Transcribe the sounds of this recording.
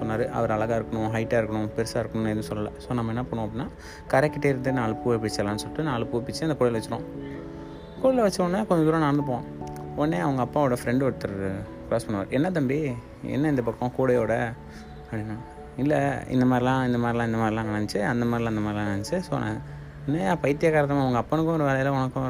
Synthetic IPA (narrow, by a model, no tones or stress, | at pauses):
sɔnːaːɾɯʔɐ̰ʋɐɾɐɭɐɣaːɪɾɯkːɐɳʊ̃ɦɐɪʈːaːɪɾɯkːɐɳʊ̃pɛɾɯsaːɪɾɯkːɐɳʊ̃nenːɯsɔlːɐlɐ̰soːnɐmːɐɛnːaːpoːɳʊ̃ːɐp̬ːɽinːaː | kɐɾɛkːɪʈːeɪɾɯnd̪ɯnaːlɐpuːʋɛp̬ːɐɽit͡ʃːɐlːãːnːɯsɔlɪʈːɯnaːlɐpuːpːɪt͡ʃːɯɐnd̪ɐkuːɽɐɪlʋɐt͡ʃːɪɾõː | kuːɽɐlɐʋɐt͡ʃːɯonːakɔɲd͡ʒɔ̃d̪uːɾãnaːɾɐnd̪ɯp̬õː | onːeːɐʋɐŋɡɐːpːaːoːɽɐfɾɛɳɖɯʋɐɽɯt̪ːɯɾɯ | klaːspɐnːʋa̰ːɾɛnːɐt̪̬ɐmbi | ɛ̰nːɐɪnd̪ɐpɐkːõkuːɽɐjoːɽɐ | ɐpɽinːaː | ɪlːɐɪ̰nd̪ɐmaːd̪ɾɪlãːɪnd̪ɐmaːd̪ɾɪlãːɪnd̪ɐmaːd̪ɾɪlãːɐɳɐnt͡ʃːɯɐnd̪ɐmaːd̪ɾlãɪnd̪ɐmaːd̪ɪlãːɐɳɐnt͡ʃːɯso̰ːn̰ | ɔnːeːpɐɪt̪ːɪjakaːɾɐt̪̬ːɐmãɐʋɐŋɡɐɐpːɐnɯkːʊ̃ɔɾɯʋeːlɐjɐlɐɔɳɐkːʊ̃